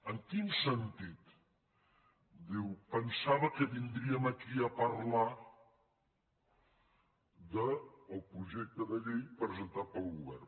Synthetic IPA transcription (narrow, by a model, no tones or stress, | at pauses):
əŋkinsənt̪it̪ | d̪iwpənsaβəkəβind̪ɾiəmakiəpəɾla | ðəːlˠpɾuʒɛk̚t̪əðəʎejpɾəzənt̪at̪̚pəlˠɣuβɛr